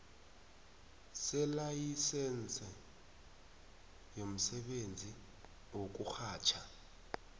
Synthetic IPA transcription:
sɛlajisɛnt͡sʼɛ | jom̩sɛɓend͡zʱi | ok̬ʼuxaːt͡ʃʰa

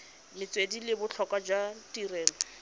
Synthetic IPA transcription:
mɪt͡swedilɪbʊt͡ɬʰɔkʼwad͡ʒwatirɛːlɔ

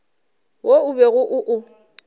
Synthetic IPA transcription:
wʔoʊbeɣʊʔʊʔʊ

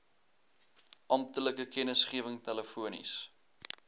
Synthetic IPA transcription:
ʔɐmtələkəkɛnəsχiəvəŋtæləfuənḭs

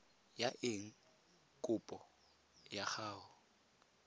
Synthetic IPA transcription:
jaʔɪŋ̩ | kʼʊpʼɔ | jaχaːɦʊ

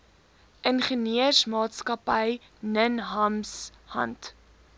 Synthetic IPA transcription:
ʔənχəniərsmɑːtskɐpəj | nənɦɐmshɐ̰nt

